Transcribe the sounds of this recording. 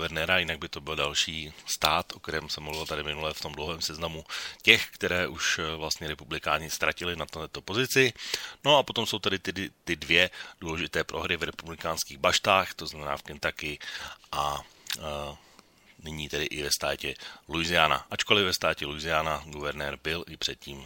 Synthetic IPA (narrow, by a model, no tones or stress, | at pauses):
vɛɾnɛːɾajɪnaɡ̚bɪt̪o̞bɪldalʃiːst̪aːt̪ʔokt̪ɛɾɛːmsɛmluvɪlt̪adɪmɪnulɛft̪o̞mdlowɦɛːmsɛznamucɛxkt̪ɛɾɛːʔuʃvlast̪ɲɛɾɛpublɪkaːɲɪst̪ɾacɪlɪnat̪ɛɛt̪opo̞zɪt͡sɪno̞apo̞t̪o̞mso̞wt̪adɪt̪ɪdɪt̪ɪdvjɛduːlɛʒɪt̪ɛːpɾʔo̞̰ɦɾɪvɾɛpublɪkaːnskiːɣbaʃt̪aːxt̪oznamɛnaːfkɛnt̪akɪɪʔa | nɪɲiːt̪ɛdɪʔɪvɛst̪aːcɛlujzɪana̰ʔat͡ʃko̞lɪvɛst̪aːcɛlujzɪaːnaɡuvɛɾnɛːɾbɪlʔɪpr̝̥ɛt̪̚ciːm